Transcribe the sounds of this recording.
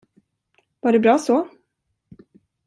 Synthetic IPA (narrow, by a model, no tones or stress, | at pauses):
vaɖɛbɾɑːsɔ